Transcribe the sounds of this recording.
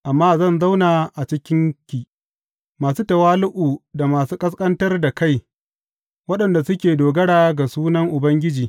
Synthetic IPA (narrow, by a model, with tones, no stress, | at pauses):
ʔa˨mːaː˦zɐ˦˨nza˦wnaː˨ʔa˨t͡ʃɪ˦kʲɪ˦ŋkʲiː˨ | maː˨suː˦tɐ˨waː˦lʊ˦ʔuː˨da˨maː˨suː˦kʼɐ˦s̬kʼɐ˦ntɐ˦rda˨ka˦j | wɐ˦ɗɐ˨nda˨sʊ˦kʲeː˨doː˨ɡɐ˦ɽaː˨˦ɡa˨suː˦nɐ˦ŋʔʊ˨bɐ˦ŋɡʲɪ˦d͡ʒiː˨